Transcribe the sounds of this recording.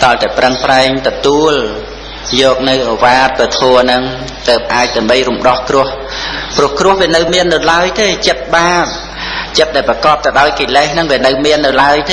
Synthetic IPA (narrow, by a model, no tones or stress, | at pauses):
t̪ɑlt̪aɛprəŋpraɛŋt̪ɔt̪uəl | jɔːk̚nɨwʔoʋaːt̪̚pət̪ʰoənɨŋ | t̪əːp̚ʔaːc̚t̪aəmɓəjrumɗɑhkrʊ̆əh | prʊ̆əhkrʊ̆əhʋiənɨwmiənːɨwlaəjt̪eːt͡ɕət̪̚ɓaːp̚ | t͡ɕət̪̚ɗaɛlprɑkɑːp̚t̪əɗaɔjkeːlɛhnɨŋʋiənɨwmiənːɨwlaəjt̪e